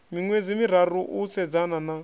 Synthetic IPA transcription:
miŋwed͡zimiɾ̤aɾuʔusɛd͡zanana

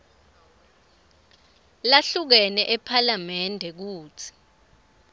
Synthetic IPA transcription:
laɬuk̬ɛnɛʔɛpʰalamɛndʱɛk̬uːt͡sʰi̥

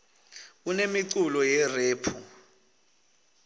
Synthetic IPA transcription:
unemiǀulɔjɛreːpʰu

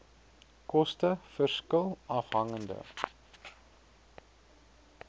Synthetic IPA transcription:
kɔstəfərskəlˠɐfɦɐŋəndə̰

